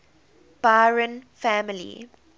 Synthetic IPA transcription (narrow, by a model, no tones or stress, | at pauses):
b̥aɹə̃nfæmɪlḭ